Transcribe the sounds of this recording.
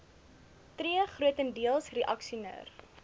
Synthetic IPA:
triəχruətəndiəlˠsriʔɐksiunə̰ːr

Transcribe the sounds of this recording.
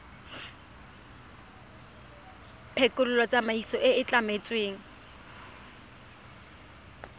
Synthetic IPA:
pʰekʼʊlʊlɔt͡sʼamaisɔʔɪɪt͡ɬʼamet͡sʼweːŋ̩

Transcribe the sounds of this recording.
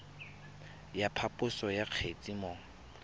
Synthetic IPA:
japʰapʼʊsɔjaq͡χʰet͡sʼimɔːŋ̩

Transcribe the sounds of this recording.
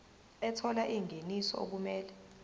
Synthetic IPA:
ɛtʰɔlaʔiŋʱenisɔ̰o̰k̬umɛːlɛ

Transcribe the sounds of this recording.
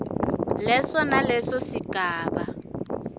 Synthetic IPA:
lɛsɔnalɛsɔsikʼaːba

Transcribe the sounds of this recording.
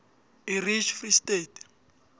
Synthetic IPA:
irit͡ʃʰfristeːt

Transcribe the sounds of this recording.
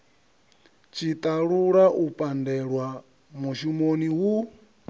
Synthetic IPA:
t͡ʃʰit̪ʼaɺuɺaʔupʼandɛɺwa | muʃumoniwu

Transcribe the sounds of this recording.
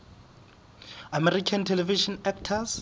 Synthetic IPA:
amɛrikʰantʰɛlɛviʃɔnɛktʰas

